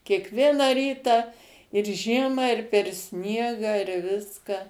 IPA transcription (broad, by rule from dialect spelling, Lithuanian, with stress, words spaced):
kʲiɛkˈʋʲiɛnɑː ˈrʲiːtɑː ɪr ˈʒʲiɛmɑː ɪr pʲɛr ˈsʲnʲiɛɡɑː ɪr ˈʋʲɪskɐ